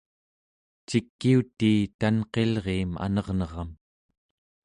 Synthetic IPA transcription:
t͡ʃikːiut̪ːiːt̪anqe̞lʁeːma̰nʌʁnʌʁɑm

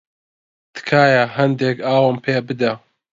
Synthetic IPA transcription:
t̪ʰɨ̥kʰaːjaɦɐnd̪eːkʰaːwɐmpʰeːbɨd̪a

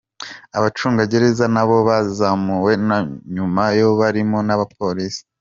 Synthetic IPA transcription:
aβat͡ʃuːŋɡaɟe̞ɾezanaβo̞βazamuwe̞naɲumajo̞βaɾimo̞naβap̚o̞ɾisi̥

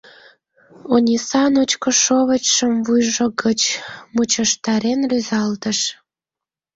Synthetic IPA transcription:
onʲisɑnot͡ɕkoʃoβət͡ɕʃəmvujʒoɡət͡ɕmut͡ɕəʃt̪ɑɾenryzɑlt̪əʃ

